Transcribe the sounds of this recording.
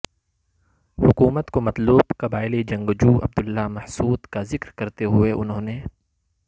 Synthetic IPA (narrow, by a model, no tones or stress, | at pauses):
hʊkuːmət̪komɐt̪luːbkɐbaːɪlid͡ʒɐ̃ŋɡd͡ʒuːɐ̰b̚d̪ʊlːamɐhsuːd̪kazɪkɾkɐɾt̪eɦʊeʔʊnɦõːne